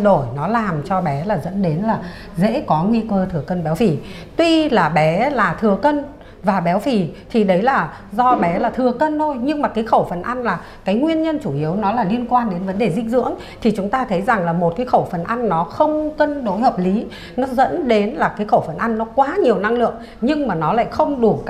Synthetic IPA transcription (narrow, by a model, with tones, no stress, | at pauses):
ɗo˧˩jnɔ˨˦laː˨˩mt͡ɕɔ˧ɓɛ˨˦laː˨˩zə̰˧˥nɗe˨˦nlaː˨˩ | zḛ˧˥kɔ˨˦ŋwi˧kəː˧t̪ʰɨ˨˩əkə˧nɓɛ˨˦wfi˧˨˩ | t̪wi˧laː˨˩ɓɛ˨˦laː˨˩t̪ʰɨ˨˩əkə˧n | vaː˨˩ɓɛ˨˦wfi˨˩t̪ʰi˨˩ɗə˨˦jlaː˨˩ | zɔ˧ɓɛ˨˦laː˨˩t̪ʰɨ˨˩əkə˧nt̪ʰo˧jɲɨ˧ŋmaː˨˩kaː˨˦jxə˧˩wfə˨˩nʔa˧jŋ̟laː˨˩ | kaː˨˦jŋwi˧ənɲə˧nt͡ɕu˧˩ʔi˨˦əwnɔ˨˦laː˨˩li˧ənkwaː˧nɗe˨˦nvə˨˦nɗe˨˩zï˧˥ŋ̟zɨ̰˧˥əŋ | t̪ʰi˨˩t͡ɕʊ˨˦ŋ͡mt̪aː˧t̪ʰə˨˦jza˨˩ŋlaː˨˩mo˨˩t̚kaː˨˦jxə˧˩wfə˨˩nʔa˧jŋ̟ːɔ˨˦xə˧wŋ͡mkə˧nɗo˨˦jhəː˨˩p̚li˨˦ | nɔ˨˦zə̰˧˥nɗe˨˦nlaː˨˩kaː˨˦jxə˧˩wfə˨˧˩nʔa˧jŋ̟ːɔ˨˦kwaː˨˦ɲi˨˩əwna˧ŋlɨ̰˧˨əŋ | ɲɨ˧ŋmaː˨˩nɔ˨˦la̰ː˧˨jxə˧wŋ͡mɗu˧˩